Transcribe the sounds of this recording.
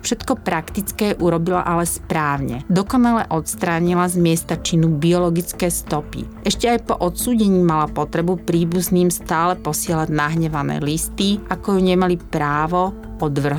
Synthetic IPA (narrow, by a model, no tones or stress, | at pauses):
fʃɛt̪kɔpɾakt̪it͡skɛːʔuɾɔbila̰ʔalɛspɾaːʊɲɛ̰d̪ɔkɔnalɛʔɔt̪st̪ɾaːɲilazmɪɛst̪at͡ʃinubiɔlɔɡit͡skɛːst̪ɔpḭʔɛʃcɛajpɔʔɔt̪suːɟɛɲiːmalapɔt̪ɾɛbupɾiːbuzniːmst̪aːlɛpɔsɪɛlaɟnaɦɲɛʋanɛ̰ːlist̪iʔakɔjuɲɛmalipɾaːʋɔ | ɔd̪ʋr̩ɦ